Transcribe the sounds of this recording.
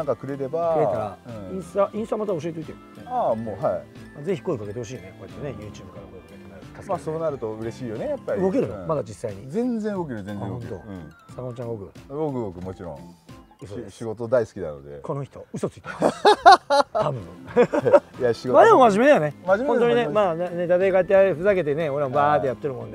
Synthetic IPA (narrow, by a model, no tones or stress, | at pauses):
nãŋkakɯ̟ɾe̞ɾe̞bakɯɾeaɾaɯ̃ĩɰ̃st̪aʔĩst̪amat̪ao̞ɕ̬iet̪eit̪e̥ | eamoːhai | aze̞çi̥ko̞ikake̞t̪e̞hoɕ̬iːekoinejɯ̟ːt͡ɕɨːbɯkaɾkoik̪enakamasoːnaɾɯ̟t̪o̞ɯ̟ɾe̞ɕiːjo̞nejapːaɾɯɡo̞ke̞ɾɯmad̪ad͡ʑisːaiɲ̟izẽ̞nd͡zẽɯɡo̞k̬e̞ɾɯzẽnzẽɡõnet̪o̰ɯ̃sakat͡ɕãŋɡokɯ̟ɡokɯ̟ɡokɯ̟mo̞t͡ɕiɾõ̰ŋ | ɯsoɕiɡo̞t̪o̞d̪aisɨ̥kʲid̪a̰no̰d̪ekʰo̞no̞çi̥t̪o̞ɯ̟so̞t͡sɨ̥i̥t̪e | t̪abɯ̟̰̃ | jaɕiɡomaɾemomaʑime̞d̪ajone̞mad͡ʑimeõnt̪oɲiinemaːaned̪ad̪akaet̪ːeaɸɯ̟zake̞t̪ene̞o̞ɾeambaːt̪ːejat̪ːeɾɯmõnd̪e